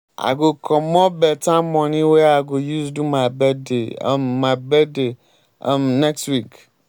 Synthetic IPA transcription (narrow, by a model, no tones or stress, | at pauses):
a̰ɡokʰɔ̃mɔ̃bɛtãmɔ̃nĩweaɡojuzdumajbɛdḛmːabɛde | a̰mnɛkstwik